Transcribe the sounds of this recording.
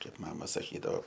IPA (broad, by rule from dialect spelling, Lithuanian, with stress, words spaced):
ˈkɐɪp ˈmɑːmɐ sɐˈkʲiːdɐoː